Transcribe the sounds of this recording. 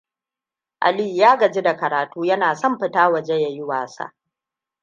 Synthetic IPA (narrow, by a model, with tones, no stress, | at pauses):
ʔa̰˨li˦˨jaː˦ɡɐ˨d͡ʒi˦da˨kɐ˨ɾaː˨tuː˦jɐ˦naː˨sɐ˦˨mɸɪ˦taː˦wɐ˨d͡ʒe˦ja˨jɪ˦waː˨sa̰˦˨ʔ